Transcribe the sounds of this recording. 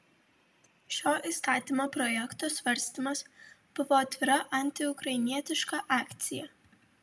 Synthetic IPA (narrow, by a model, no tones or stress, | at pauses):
ʃʲoːʔist̪ɑːt̪ʲimoːpɾɔjɛkt̪oːsʋɐɾʲsʲt̪ʲɪmɐsb̥ʊʋoːɐt̪ʲʋʲɪɾɐʔɐnʲt̪ʲɪʊkɾɐɪnʲiɛt̪ʲɪʃkɑʔɑːkʲt̪sʲɪjɛ